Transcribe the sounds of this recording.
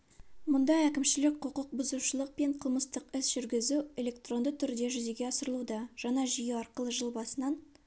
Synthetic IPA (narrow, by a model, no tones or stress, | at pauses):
mʊnd̪ɑækʲɪmʃɪlɪk̚qʰʊqʊq̚bʊzuʃəlˠəq̚pe̞ɴqʰəlˠməst̪əqɪsʒ̥ʏɾɡʲɪzue̞lʲe̞k̚t̪ro̞nd̪ət̪ʰʏɾd̪e̞ʒʏze̞ɡʲe̞ɑsəɾəlˠud̪ɑʒ̥ɑnɑʒijəɑɾqəlˠəʒəlˠbɑsənɑn